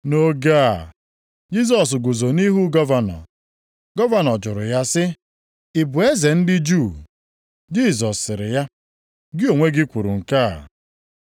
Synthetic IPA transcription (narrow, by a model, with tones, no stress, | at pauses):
no˦ɡa˦˨ | d͡ʒi˦s̬ɔ˨s̬ɡu˨zo˨ni˦ɦu˦ɡɔ˦va˨nɔ̰˨ | ɡɔ˦va˦˨nɔ˨d͡ʒʊ˨ɾʊ˨ja˦sɪ˦ | ɪ˨bʊ˨e˦ze˨n̩˦dɪ˦d͡ʒu˦˨ | d͡ʒi˦˨zɔ˨sːɪ˨ɾɪ̰˨ja˦ | ɡɪ˦o˨ŋʷe˦ɡɪ˦kʷu˨ɾṵ˨ŋ̩˨kaː˦˨